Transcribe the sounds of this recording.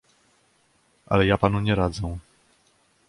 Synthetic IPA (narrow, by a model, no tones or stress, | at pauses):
ʔa̰lɛjapanuɲɛɾad̪zɛ